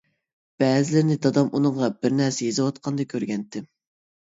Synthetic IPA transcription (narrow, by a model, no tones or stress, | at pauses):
b̥ɛːzɪlɪɾnɪd̪ɑd̪ɑmʔunɨŋʁɑbɪɾnɛɾsɛjezɨwɑt̪̚qʰɑnd̪ɑkʲʰøɾɡʲɛnt̪ʰːɪm